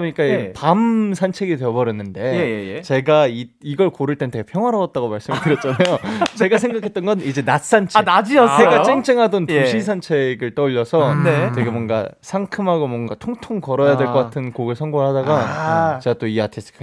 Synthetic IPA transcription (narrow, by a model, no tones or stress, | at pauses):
ɯɲik͈apamsʰant͡ɕʰe̞ɡideʌbʌɾʌnːɯnde̞jjt͡ɕe̞ɡaiiɡʌɭkoɾɯɭt͈enɯnt̪ʰeɡepʰjʌŋwaɾaʌt̚t͈aɡomaɭs͈ɯmɯɭkɯɾjʌt̚t͡ɕʰanajot͡ɕe̞ɡasʰeŋɡakʰet͈ʌnɡʌnid͡ʑe̞nas͈ant͡ɕʰnad͡ʑiʌeɡat͡ɕ͈eŋt͡ɕ͈ʰeŋɦadontuɕʰisʰant͡ɕʰe̞ɡɯɭt͈ʌʎːʌsʰʌnet͡ɕe̞ɡemwʌnɡa̰sʰaŋkʰɯmɦaɡomwʌnɡatʰoŋtʰoŋkʌɾʌjadwe̞ɭk͈ʌk͈atʰɯnkoɡɯɭsʰʌŋɡoɯɭhadaɡat͡ɕe̞ɡat͈oiatʰesʰɯ̥kʰ